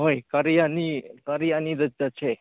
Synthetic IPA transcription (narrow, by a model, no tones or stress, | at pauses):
ɦojkaɾjanikaɾijaniɾəd͡ʒat͡ʃʰe